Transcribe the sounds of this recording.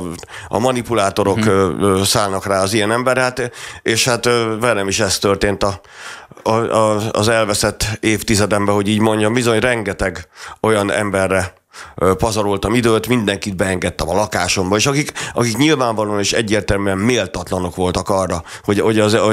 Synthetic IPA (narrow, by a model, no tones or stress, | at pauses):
ɒ̰mɒnipulaːt̪o̞ɾo̞kːsaːlnɒkraːɒzijɛnɛmbɛɾhaːt̪eːʃhat̪vɛnɛmiʃɛst̪ørt̪eːnt̪ɒ | ɒ̰zɛlvɛsɛt̪ːeːft̪izɛd̪ɛmbɛɦo̞ɟiːɟmo̞ɲɟɒmbizo̞ɲrɛŋɡɛt̪ɛɡo̞jɒnɛ̰mbɛrːɛ | pɒzɒɾolt̪ɒmid̪øːt̪mind̪ɛŋkit̪̚bɛɛŋɡɛt̪ːɛmɒlɒkaːʃo̞mbɒeːʃɒkikɒkikɲilvaːɱvɒloneːʃɛ̰ɟːeːrt̪ɛlmyɛmmeːlt̪ɒt̪lɒno̞kʋo̞lt̪ɒkɒrːɒho̞oɟɒz